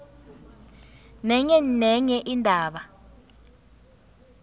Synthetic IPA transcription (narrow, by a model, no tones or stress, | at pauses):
nɛɲɛnɛɲɛʔindʱaːɓa